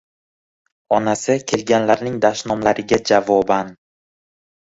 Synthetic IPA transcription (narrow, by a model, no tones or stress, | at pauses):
ɒnasɪkʲʰe̞lɡʲanlaɾnɪŋd̪aʃnɒmlaɾɪɡʲad͡ʒavɒban